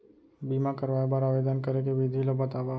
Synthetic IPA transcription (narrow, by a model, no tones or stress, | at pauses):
biːmãkɐɾʋaːebaːɾaːʋed̪ənkɐɾekeʋɪd̪ʱilobɐt̪aːʋa